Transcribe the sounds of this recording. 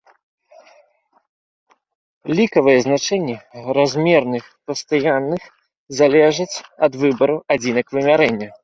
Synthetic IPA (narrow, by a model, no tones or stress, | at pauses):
lʲikɐvɨjɛznat͡ʂɛnʲːɛɾazʲmʲɛrnɨxpɐst̪ajanːɨx | zalʲɛʐɐt͡sʲɐd̪vɨbɐɾuʔad͡zʲinɐkvɨmʲaɾɛnʲːɐ